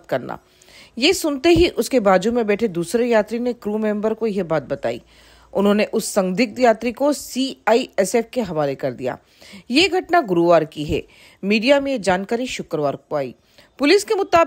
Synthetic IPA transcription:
t̪kɐɾna̰ː | jesʊnt̪eɦiʔʊskebaːd͡ʒumẽbɛːʈʰed̪uːsɾejaːt̪ɾinekɾuːmẽːmbəɾkojebaːt̪̚bɐt̪a̰ːḭː | ʊnɦõːneʔʊsːɐ̃ŋɡd̪ɪk̚d̪jaːt̪ɾikosiːaːiɛsɛːfkeɦɐʋaːlekɐɾd̪ḭja̰ː | jeɡʱɐʈnaɡʊɾuʋaːɾkiɦɛ̰ː | miːɖijamẽjed͡ʒaːnkaːɾiʃʊkɾʋaːɾkaːḭː | pʊlɪskemʊt̪aː

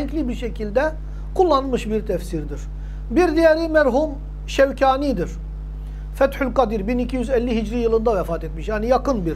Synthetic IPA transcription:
ɛɲclʲibiɾʃecʰilʲd̪ɛ | kʰulˠːanmɯʃbiɾt̪ʰɛfsiɾd̪iɾ̥ | biɾd̪ijɛɾimɛɾɦum | ʃɛvcʰaːnid̪iɾ̥ | fɛt̪ħylʲkad̪iɾbinicʰijyzɛlʲːiɦid͡ʒɾijɯlˠɯnd̪avɛfaːt̪ɛt̪miʃjanijakɯnbiɾ

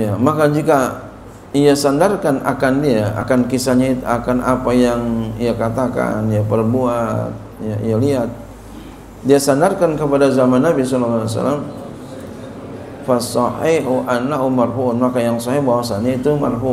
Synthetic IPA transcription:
jamakad͡ʒika | iasandarkana̰kandiaa̰kankisaɲait̪uakanʔapajaŋiakat̪aka̰nijapərbuat̪̚jaḭjaliat̪̚ | diasandarkankəpadazamanːabis̬ɔlalːaasa̰la̰m | fasɔhiɦuʔanaʔumarfut̪̚makajaŋsɔhɪhbawasaɲait̪uma̰rfu

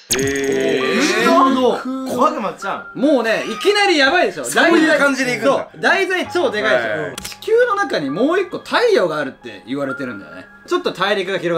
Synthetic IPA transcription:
e | aokoɡaɡɯmat͡ɕãmo̞ːne̞ikʲinaɾʲijabaid̪esɨjod̪aikãɲd͡ʑid̪eikɯsoːd̪ait̪ait͡ɕoːd̪e̞ɡaid̪ejot͡ɕi̥kʲɨːno̞nakaɲ̟imo̞ːikːo̞t̪ʰaijo̞ːɡaːɾɯ̟t̪ːe̞̰iβaɾe̞t̪e̞ɾɯ̟̃nd̪ḛnḛ | t͡ɕo̞t̪ːo̞t̪ʰaiɾʲikɯ̟ɡaçiɾo̞ɡ

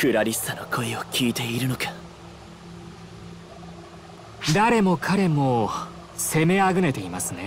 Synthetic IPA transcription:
kɯ̟ɾaɾʲisanokʰo̞iokʲiːt̪e̞iɾɯno̞kḁ | d̪aɾe̞mo̞kʰaɾe̞mo̞ | se̞me̞aɡɯ̟ne̞t̪e̞imasɨne̞

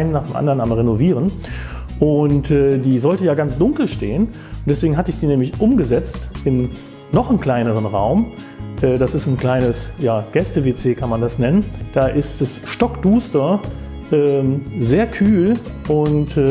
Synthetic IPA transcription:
ɪnənːaːχd̥eːmʔa̰ndɐʁənamʁenoviːʁən | ʔʊntɛːdiːzɔltəjaːɡant͡sd̥ʊŋkl̩ʃteːən | ʊnd̥ɛsveːɡŋ̩ɦatəɪçd̥iːnɛːmlɪçʔʊmɡəzɛt͡stʔɪm | nɔχənkl̥aɪnəʁ̞ənʁaʊm | ʔɛːd̥asɪstn̩kl̥aɪnəsjaːɡ̥ɛstəvet͡seːkʰanmandasnɛnənd̥aːʔɪstd̥asʃtɔkd̥uːstɐ | ʔɛːzeːɐkʰyːl | ʔʊnt

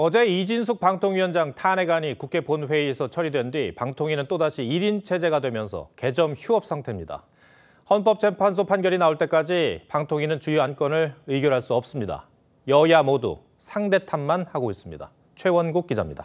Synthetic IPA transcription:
ʌd͡ʑe̞id͡ʑins̬ʰuk̚paŋtʰoŋɥiʌnd͡ʑaŋtʰaneɡaɲikukʰe̞ponɸwe̞iesʰʌt͡ɕʰʌɾidwe̞ndwɥipaŋtʰoŋinɯnt͈odaɕʰiiɾint͡ɕʰe̞d͡ʑe̞ɡadwe̞mjʌnsʰʌ̰ke̞d͡ʑʌmçuʌp̚s͈aŋtʰe̞mɲida̰ | hʌnp̬͈ʌp̚t͡ɕʰe̞mpʰans̬ʰopʰanɡjʌɾinaoɭt͈e̞k͈ad͡ʑipaŋtʰoŋinɯnt͡ɕujuank͈ʌnɯɭɯiɡjoɾɦaɭs͈uʌp̚s͈ɯmɲida̰ | jʌjamodṵ | sʰaŋde̞tʰanmanhaɡois͈ɯmɲida̰ | t͡ɕʰwe̞wʌnɡuk̚k͈id͡ʑa̰mɲida

